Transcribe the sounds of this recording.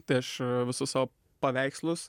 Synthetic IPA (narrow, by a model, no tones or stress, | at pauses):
t̪ɐɪɐʃʋʲɪsʊssɑːʋo | pɐʋʲæɪkslˠʊs